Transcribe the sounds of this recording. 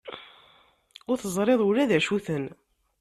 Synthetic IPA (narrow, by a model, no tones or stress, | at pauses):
ʊɾθəzˤɾˤeðˤulæðæʃuθən